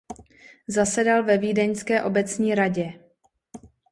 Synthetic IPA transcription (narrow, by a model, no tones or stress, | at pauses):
zasɛdalvɛviːdɛɲskɛːʔo̞bɛt͡sɲiːɾaɟɛ